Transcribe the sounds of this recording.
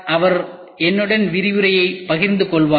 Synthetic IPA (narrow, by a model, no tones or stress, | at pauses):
ʔɐʋɐɾ | ɛnːɯɽɐnʋɪɾɪʋɯɾɐjɐɪpɐɣɪɾnd̪ɯkɔɭʋaː